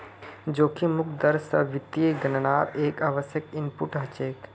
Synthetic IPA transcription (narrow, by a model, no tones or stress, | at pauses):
d͡ʒoːkimʊk̚ʰd̪əɾsɐ̰ʋɪt̪ːieɡənənaːɾeːkaːʋəsjəkɪmpuʈɦɐt͡ʃeːk